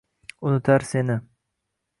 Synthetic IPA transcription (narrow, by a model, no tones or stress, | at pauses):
ʊnɪt̪ʰaɾsenɪ